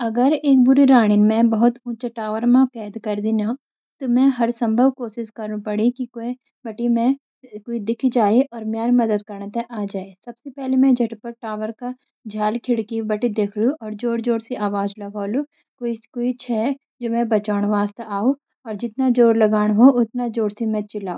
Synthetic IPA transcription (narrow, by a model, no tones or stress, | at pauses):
ɐɡəɾeːk̚bʊɾiɾaːɽ̃ɪnmɛ̃bɐɦʊt̪ʊ̃t͡ʃəʈaːʋəɾmãkɛːd̪kɐɾd̪ɪna | t̪omɛ̃ɦɐɾsɐ̃mbʱəʋkoːsɪskɐɾnpɐɽikikoe | bɐʈimẽ | koːid̪ɪkʰd͡ʒaːeʔɔːɾmjaːɾmɐd̪əd̪̚kɐɾnət̪eʔaːd͡ʒaːesɐbsepɛɦlemɛ̃d͡ʒʱɐʈpɐɾʈaːʋəɾka | d͡ʒʱaːlkʰɪɽkibɐʈid̪eːkʰluʔɔːɾd͡ʒoːɾd͡ʒoːɽseʔaːʋaːd͡ʒlɐɡaːlu | koikoːit͡ʃʰɛː | d͡ʒoːmɛ̃bɐt͡ʃaːɽ̃ʋaːst̪aːo | ɔːɾd͡ʒɪt̪nad͡ʒoːɾlɐɡaːɽ̃ɦoʊt̪nad͡ʒoːɽsimɛ̃t͡ʃɪlaːoː